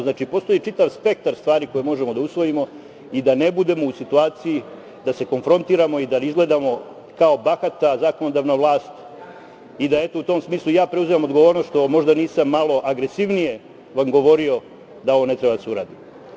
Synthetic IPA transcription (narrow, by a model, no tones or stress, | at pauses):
znaːt͡ʃipo̞st̪o̞jit͡ʃit̪aʋspe̞k̚t̪aɾst̪ʋaːɾiko̞jemo̞ʒemo̞d̪ausʋo̞jimo̞ | id̪ane̞bud̪e̞mo̞usit̪uaːt̪siji | d̪ase̞ko̞nfɾo̞nt̪iːɾamo̞id̪aizɡle̞d̪amo̞ | kao̞baxat̪azaːko̞no̞d̪aʋnaʋlˠaːst̪ | id̪ae̞t̪o̞ut̪o̞msmiːslˠujaːpɾe̞uzimamo̞d̪ɡo̞ʋoɾnost̪ʃt̪o̞mo̞ʒd̪aniːsamːalo̞ʔaɡɾe̞siʋnije̞ | ʋamɡo̞ʋo̞ɾio̞ | d̪ao̞ʋo̞ne̞t̪ɾe̞bad̪aseuɾaːd̪i